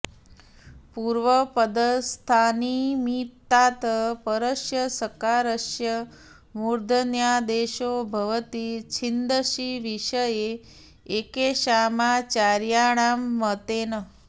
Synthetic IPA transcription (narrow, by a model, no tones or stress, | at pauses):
puɾʋəpəd̪əst̪ʰanimit̪ːat̪əpəɾəʃjəsəkaɾəʃjə | muɾd̪ʱənjad̪eʃobʱɐʋət̪it͡ʃʰind̪əʃiʋiʃəjeː | keʃamat͡ʃaɾjaɽ̃amːət̪enə